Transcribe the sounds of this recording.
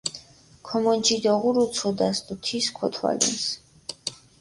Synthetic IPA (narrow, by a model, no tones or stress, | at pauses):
kʰɔmɔnt͡ʃʰʼid̪ɔʁuɾut̪sʰɔd̪ast̪ut̪ʰiskʰɔt̪ʰwa̰lḭns